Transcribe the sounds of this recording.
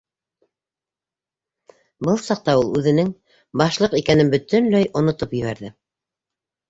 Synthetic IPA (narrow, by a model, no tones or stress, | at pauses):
bɤlˠsɑq̚t̪ɑulˠʉðɘ̆nɘŋ | bɑʃlˠɤqikænɘnbɵ̆t̪ɘnlæjʔŏnŏt̪opjɘ̆βæɾðɘ